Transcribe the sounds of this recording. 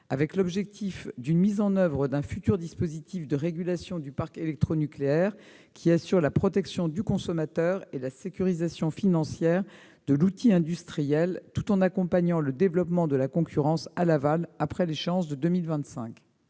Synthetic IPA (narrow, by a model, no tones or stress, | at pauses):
avɛklɔbʒɛk̚t̪ifd̪ynmizɑ̃nœvʁəd̪ɛ̃fyt̪yʁd̪ispozit̪ifd̪əʁeɡʲylasjɔ̃d̪ypaʁkelɛk̚t̪χonykleɛʁ | kʲʰiasyʁlapχɔt̪ɛksjɔ̃d̪ykɔ̃sɔmat̪œʁelasekʲyʁizasjɔ̃finɑ̃sjɛʁ | d̪əlut̪iɛ̃d̪yst̪χijɛlt̪u̥t̪ɑ̃nakɔ̃paɲɑ̃ləd̪evlɔpmɑ̃d̪əlakɔ̃kʲyʁɑ̃salavalapχɛleʃeɑ̃sd̪əd̪ømilvɛ̃t̪sɛ̰̃k